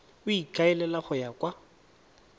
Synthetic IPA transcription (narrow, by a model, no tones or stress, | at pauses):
ʊikʼaɛlɛlaχʊjakʼwa